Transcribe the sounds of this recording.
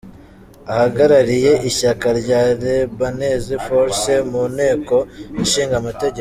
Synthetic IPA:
ahaɡaɾaɾije̞ʔiçakaɾɟaːɾebanezifoɾsemunhe̞ːko̞inʃiːŋɡamate̞ɟe

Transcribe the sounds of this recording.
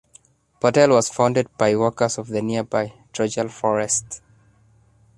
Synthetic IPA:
pɔtɛlˠwɔz̥fãʊ̃ndəd̚baɪwɔkə˞zɔvðəniəbaɪtʰɹɔd͡ʒəlˠfɔɹɛst

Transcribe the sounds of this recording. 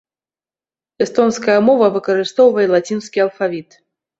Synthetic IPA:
ɛst̪ɔnskɐjɐmɔvɐvɨkɐɾɨst̪ɔwvɐjɛlˠat͡sʲinskʲiɐlˠfavʲit̪

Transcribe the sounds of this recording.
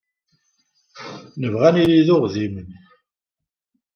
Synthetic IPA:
nəvʁæniliðʊʁðimən

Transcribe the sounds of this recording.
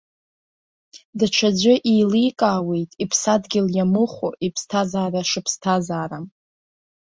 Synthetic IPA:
dat͡ʃʷʰad͡ʒʷʏʔiːlijkʼaːwe̞jtʼipʰsadɡʲɪljamɨχʷo̰ipʰstʰazaːraʂɨpʰstʰazaːɾam

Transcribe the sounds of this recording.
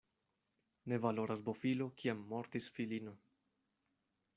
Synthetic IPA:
ne̞valo̞ɾasbo̞filokiamːo̞ɾt̪isfilino̞

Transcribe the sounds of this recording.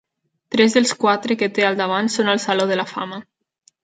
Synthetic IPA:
t̪ɾɛzðəlˠskwat̪ɾəkət̪ealˠd̪aβ̞ansonəlˠsaloðəlafa̰mə

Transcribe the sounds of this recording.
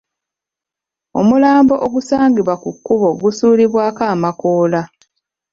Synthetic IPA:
o̞̰mulaːmbo̞ʔoɡusaːŋɡiβwakukːuβo̞ɡusuːliβwaːkaːmakoːla

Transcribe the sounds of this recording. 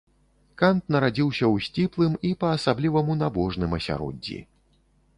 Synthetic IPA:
kant̪nɐɾad͡zʲiwsʲɐwsʲt͡sʲiplˠɨmipɐːsablʲivɐmunabɔʐnɨmɐsʲa̰ɾɔ̰d͡zʲːḭ

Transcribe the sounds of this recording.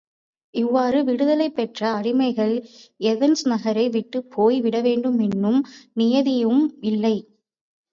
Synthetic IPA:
ɪʋːaːɾɯʋɪɽɯðɐlɐɪpːɛʈrɐːɽɪmɐɪɣɐɭɛðɛnsnɐɣɐɾɐɪʋɪʈːɯpʰːoːjʋɪɽɐʋeːɳɖɯmɛnːɯmnɪjɐðɪjɯmɪlːɐɪ

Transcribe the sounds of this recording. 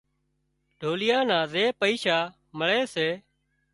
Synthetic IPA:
ɖʱoːlɪjãːnãːzeːpəiːʃaː | məɭeːseː

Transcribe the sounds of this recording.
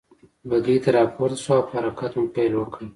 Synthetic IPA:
baɡ̪it̪aɾɑpʰoɾt̪asoawphaɾakat̪ʊmpelwəkə

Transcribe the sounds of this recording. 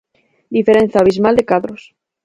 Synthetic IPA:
d̪ifeɾẽn̟θjaːβ̞izmald̪ekaðɾos

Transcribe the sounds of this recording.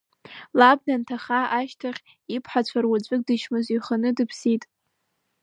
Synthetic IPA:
lab̚dantʰaχaʔaʃtʰaχʲ | ipʰħat͡ɕʷʰarwad͡zʷʼɨk̚ʼdɨʃmɨziχənɨdɨpʰsitʼ

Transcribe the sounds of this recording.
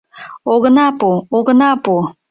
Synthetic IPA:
oɣənɑpuoɣə̆nɑpu

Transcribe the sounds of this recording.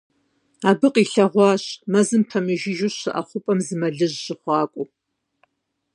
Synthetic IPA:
aːbɨqiːɬɐʁʷɑːɕmɐzɨmpʰɐmɨʒɪʒʊɕɨʔɐ̰χʷʊpʼɐmzɨmɐɮɨʑːɪχʷɑːkʷʼʊ

